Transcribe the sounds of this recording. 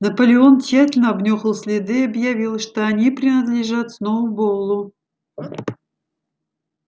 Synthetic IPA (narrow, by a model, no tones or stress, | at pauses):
nɐpəlʲɪo̞nt͡ɕːatʲɪlʲnəɐbnʲoxəlˠsʲlʲɪd̪ɨɐbjɐvʲilˠʂt̪oɐnʲipɾʲɪnəd̪lʲɪʐat̪snovʊbolˠːʊ